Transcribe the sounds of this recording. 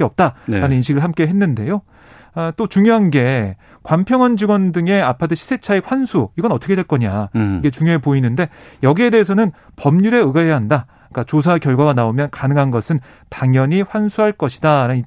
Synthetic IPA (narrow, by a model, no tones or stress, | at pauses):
eʌp̚t͈a̰ɾanɯninɕʰiɡɯɭhamk͈e̞ɦe̞nːɯnde̞jo | t͈ot͡ɕuŋjoɦanɡe̞ | kwampʰjʌŋʌnd͡ʑiɡwʌndɯŋe̞apʰatʰɯɕʰi̥sʰe̞t͡ɕʰaek̚ɸwansʰuiɡʌnʌt͈ʰʌkʰedwe̞ɭk͈ʌɲaiɡe̞t͡ɕuŋjoepoinɯnde̞jʌɡie̞de̞ɦːsʰʌnɯn | pʌmɲuɾe̞ɯɡajaɦanda | k͈at͡ɕos̬ʰakjʌɭɡwaɡanaomjʌnkanɯŋɦanɡʌsʰɯn | taŋjʌɲiɸwansʰuɦaɭk͈ʌɕʰi̥daɾan